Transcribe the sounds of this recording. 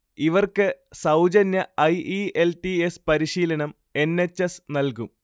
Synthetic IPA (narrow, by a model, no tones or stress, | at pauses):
iʋɐrkɨsɐwd͡ʑɐnjɐɐjielʈiespɐɾiɕiːlɐɳɐm | e̞nːe̞t͡ɕːesnɐlkum